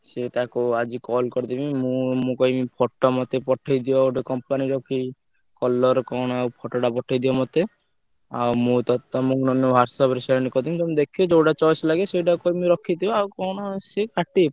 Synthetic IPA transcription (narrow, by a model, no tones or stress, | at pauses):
set̪akuad͡ʒikɔlkɔɾt̪ibimũmũkɔjmipʰɔʈːɔmɔt̪epɔʈʰajd̪ijɔoʈekɔmpaniɾɔkʰi | kɔlːɔɾkɔñawpʰɔʈɔʈapɔʈʰajd̪iɔmɔt̪e | a̰wmũt̪ɔt̪ɔmũknɔnbʱaɾsɔbɾisaɾnikɔɾd̪imd͡ʒɔmd̪ekʰiod͡ʒowɖat͡ʃɔjslaɡesejʈakɔjmiɾɔkʰid̪ibawkɔñɔsekaʈi